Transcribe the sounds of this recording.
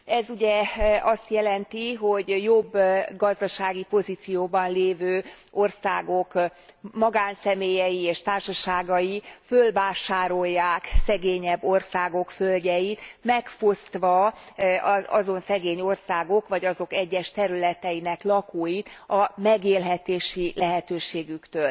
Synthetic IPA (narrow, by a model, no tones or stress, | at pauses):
ɛzuɟɛɒst̪jɛlɛnt̪iɦo̞ɟjo̞bːɡɒzd̪ɒʃaːɡipo̞zit̪sijoːbɒnleːvøː | o̞rsaːɡo̞kmɒɡaːnsɛmeːjɛjieːʃt̪aːrʃɒʃaːɡɒjifølvaːʃaːɾo̞jːaːksɛɡeːɲɛbːo̞rsaːɡo̞kfølɟɛjit̪mɛkfost̪ʋɒ | ɒɒ̰zo̞nsɛɡeːɲo̞rsaːɡo̞kʋɒɟɒzo̞kɛɟːɛʃt̪ɛɾylɛt̪ɛjinɛklɒkoːjit̪ɒmɛɡeːlɦɛt̪eːʃilɛɦɛt̪øːʃeːɡykt̪øːl